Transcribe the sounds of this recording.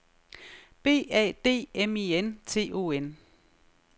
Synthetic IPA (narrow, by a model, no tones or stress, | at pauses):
b̥e̝̰ːɛ̰ːd̥e̝̰ːemient͡sʰe̝̰ːo̝̰ːen